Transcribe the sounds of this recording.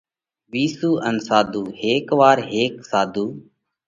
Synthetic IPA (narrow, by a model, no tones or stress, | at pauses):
ʋiːsuːʔənsaːd̪ʱuːheːkʋaːɾɦeːksaːd̪ʱuː